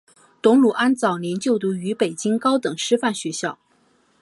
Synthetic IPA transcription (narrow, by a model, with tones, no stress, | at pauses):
t̪ʊ˧˥ŋlu˨˩ʔa˥nt͡sɑ˨˩ʊnjɛ˧˥nt͡ɕjo˥˩ʊt̪u˧˥y˧˥pe˨˩ɪt͡ɕi˥ŋkɑ˥ʊt̪ɤ˨˩ŋʂɻ̩˥fa˥˩nɕɥɛ˧˥ɕjɑ˥˩ʊ